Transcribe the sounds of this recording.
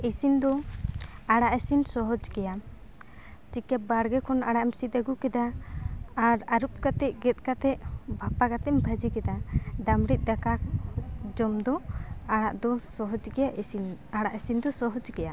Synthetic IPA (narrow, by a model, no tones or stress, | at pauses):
isind̪ɔ | aɽaʔesinsɔɦɔd͡ʒkɛja | t͡ʃikɛp̚baɽɡɛkʰɔnaɽaʔmsit̪əɡukɛd̪aː | ɾaɾup̚kat̪ɛʔ̚ɡɛt̪̚ˀkat̪ɛʔbʱapaɡat̪ɛmbʱəd͡ʒikɛd̪ad̪amɽit̪̚ˀd̪aka | d͡ʒɔmd̪ɔaɽa̰ʔd̪ɔsɔɦɔd͡ʒkɛjaʔisinaɽaʔesind̪ɔsɔɦɔd͡ʒkɛja